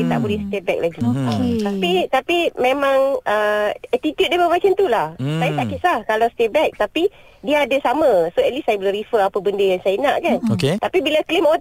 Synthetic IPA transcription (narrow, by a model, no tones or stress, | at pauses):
it̪a̰ʔbolɛhst̪ɛbɛ̰k̚laɡit̪apit̪apimẽmãŋəɛt̪it̪jut̚depəmat͡ʃənt̪ulahsajasakit̪̚lakalawst̪ɛbɛk̚t̪api | diəadasamãsoɛt̪̚lisajabəlaɾifəapəbəndəjaŋsajaənaʔkanoket̪apibilaklimo